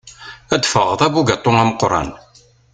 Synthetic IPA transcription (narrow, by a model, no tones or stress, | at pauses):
æd̪fəʁəðˤæβuɡɑt̪ˤːoŋæməqɾˤɑ̰n